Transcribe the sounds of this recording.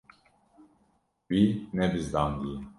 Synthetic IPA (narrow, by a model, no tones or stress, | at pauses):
b̥inɛbizd̪and̪iji